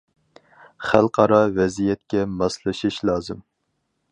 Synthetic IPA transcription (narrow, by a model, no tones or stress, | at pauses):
χælˠqʰɑɾɑvɛzijɛt̪kʲɛmɑslˠɨʃɨʃlˠɑːzɨm